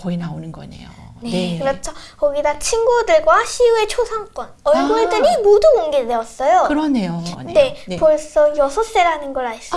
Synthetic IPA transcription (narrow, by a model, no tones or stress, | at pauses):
kʌinaonɯnɡʌnḛjo̰ne̞ekɯɾʌt͡ɕʰʌkʌɡidat͡ɕʰinɡudɯɭɡwaɕʰiue̞t͡ɕʰosʰaŋk͈wʌnʌɭɡoɭdɯɾimodumoŋɡedeʌs͈ʌjokɯɾʌne̞jone̞poɭs͈ʌjʌsʰʌs͈eɾanɯnɡʌɾais͈